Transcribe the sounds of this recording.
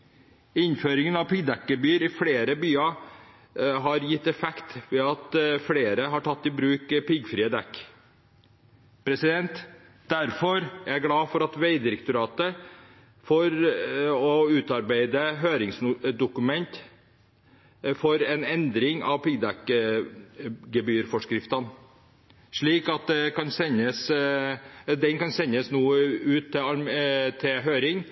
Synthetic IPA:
ɪnføːɾɪŋənɑʋpɪɡd̪ɛkəbyːɾɪfɽeːɾəbyːɑ | ɦɑɾjɪt̪ːɛfɛkt̪ʋɛːɑt̪fɽeːɾəɦɑʈʰɑt̪ːɪbɾʉːkpɪɡfɾiːəd̪ɛkː | pʰɾɛsɪd̪ɛnt̪ | d̪æɾfɔɾææɡlɑːfɔɾɑt̪ʋeɪd̪ɪɾɛkt̪ʊɾɑːt̪ə | fɔɾ | ɔʉːt̪ɑɾbæɪd̪əɦøːɾɪŋsd̪ʊkʉmɛnt̪ | fɔɾɛnɛnd̪ɾɪŋɑ̰ʋpɪɡd̪æk | ɡəbyːɾfɔʂkɾɪft̪ɑn | ʂɭiːkɑt̪̚d̪ɛkɑnsɛnəs | d̪ɛnkɑnsɛnːəsnuːəʉːt̪ʰːɪɑɾt̪ʰːɪɦøːɾɪŋ

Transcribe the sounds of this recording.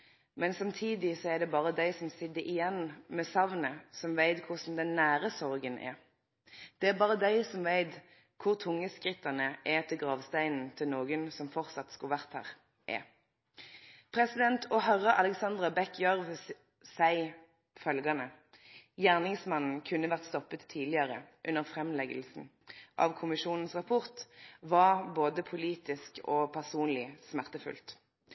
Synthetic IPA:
mɛnsɑmt̪ʰiːd̪ɪsɔɛʁd̪ɛbɑːʁəd̪æɪsɔmsɪd̪əʔɪjɛnmɛsɑʋnəsɔmʋæɪt̪kʰʊsn̩d̪ɛnːæːɾəsɔʁɡənɛ̰ | d̪̥ɛæʁbɑːʁəd̪æɪsɔmʋæɪt̪ | kʰʊʁt̪ʰʊŋːəskʁɪt̪ːɑnəʔɛt̪ʰɪlɡʁɑːʋst̪æɪnn̩t̪ʰɪlnoːɡənsɔmfɔʁt̪sɑt̪skɑʋæʁt̪hæ̰ːʁ | ʔɛ̰ | pʰʁɛsɪd̪ɛnt̪ʰɔɦœʁəʔɑlɛksɑnd̪ʁɑbɛkʰːjœʁʋ | sæɪ | fœlɡɑnə | jæːʁnɪŋsmɑnn̩kʰʉnːəʋæʁt̪st̪ɔpːət̪ʰːiːd̪lɪɑʁəʔʉnːəʁfʁɛmlɛɡəlsn̩ | ʔɑ̰ʋkʰʊmɪʃuːnn̩sʁɑpʰʊʁt̪ʋɑboːd̪əpʰʊliːt̪ɪskɔpʰæʁsuːnlɪsmæʁt̪əfʉ̰lt̪

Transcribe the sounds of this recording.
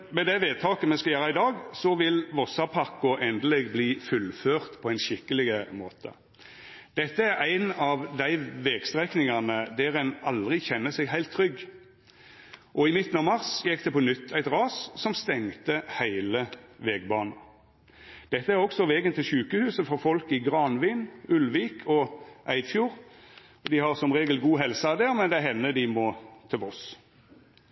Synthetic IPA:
mɛd̪æʋeːd̪̚t̪ʰɑːkəmɛskɑjøːɾɑɪd̪ɑːɡsɔʋɪlʋɔsɑpʰɑkːʊʔɛnd̪əlɛɡbliːfʉlføːʁt̪pʰɔæɪnʃɪkːəlɪɡəmoːt̪ʰə̰ | d̪̥ɛt̪ːəæɾæɪnɑʋd̪æɪʋɛːɡst̪ʁɛknɪŋɑnəd̪æʁɛnɑld̪ʁɪçɛnːəsɛɡɦæɪlt̪ʰːʁɾʏɡː | ʔɔɪmɪt̪ːn̩ɑːʋmɑʁsjɛkːd̪ɛpɔnʏt̪ʰːæɪt̪ʁɑːssɔmst̪ɛŋt̪əhæɪləʋɛːɡbɑːnɑ | d̪̥ɛt̪ːəæʁɔɡsɔʋɛːɡənt̪ʰɪlʃʉːkəhʉːsəfɔʁfɔlkɪɡʁɑnʋiːnʉlʋiːkʰɔʔæɪd̪fjuːʁ | ɔd̪ɪhɑʁsɔmʁeːɡəlɡuːɦɛlsəɑd̪eːʁmɛnd̪ɛɦɛnːəd̪ɪmɔt̪ʰɪɔs

